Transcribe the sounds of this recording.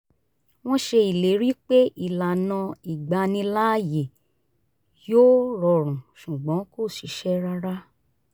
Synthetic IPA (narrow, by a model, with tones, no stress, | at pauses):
w̃ɔ̃˦ʃe˧i˨le˨˦ɾi˦k͡pe˦ʔi˨la˨nɔ̃˧i˨ɡ͡ba˧nĩ˧la˦˨je˨ | joː˦ɾɔ˧ɾ̃ũ˨ʃu˨ɡ͡bɔ̃˨˦ko˦˨ʃi˨˦ʃɛ˦ɾa˧˦ɾa˦